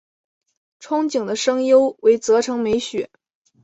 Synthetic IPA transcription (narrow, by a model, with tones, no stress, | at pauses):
ʈ͡ʂʰʊ˥ŋt͡ɕi˨˩ŋd̪ə˦ʂɤ˥ŋjo˥ʊwe˧˥ɪt͡sɤ˧˥ʈ͡ʂʰɤ˧˥ŋme˧˥ɪɕɥɛ˨˩˦